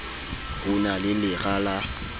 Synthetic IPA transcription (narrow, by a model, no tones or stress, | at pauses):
hʊnalɪlɪɣala